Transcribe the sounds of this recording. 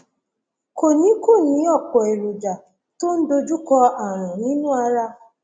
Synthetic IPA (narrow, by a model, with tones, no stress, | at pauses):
ko˨ni˦ko˦˨ni˨˦ɔ˦˨kɔ˨e˨ɾu˨d͡ʒa˨ | to˦n̩˦do˦d͡ʒu˦kɔ˦a˨ɾ̃ʊ̃˨ni˦nu˦a˧ɾa˦